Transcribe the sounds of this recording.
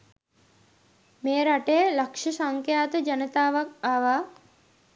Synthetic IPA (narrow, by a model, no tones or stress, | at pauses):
meːɾaʈejəlakʂəsaŋkjaːt̪əd͡ʒanət̪aːʋak̚aʋaː